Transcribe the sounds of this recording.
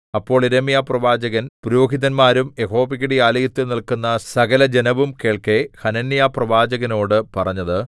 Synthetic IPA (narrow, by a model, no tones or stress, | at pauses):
ɐpːo̞ːɭiɾemijaprɐʋaːd͡ʑɐɣɐnpuɾoːɡʱiðɐnmaːɾume̞ɦo̞ːbiɣiɽijaːlɐjit̪ːunilkunːɐsɐɣɐlɐd͡ʑenɐʋumke̞ːɭke̞hɐnɐnːijaprɐʋaːd͡ʑɐɣɐno̞ːɽɨpɐrɐɲːɐðɨ